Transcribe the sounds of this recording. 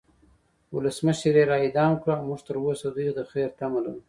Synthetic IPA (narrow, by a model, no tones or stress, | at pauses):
wʊləsməʃɾeɾɑɪd̪ɑːmkɽaawmuʐt̪əɾwosad̪ujd̪əxeɾt̪amala̰ɾu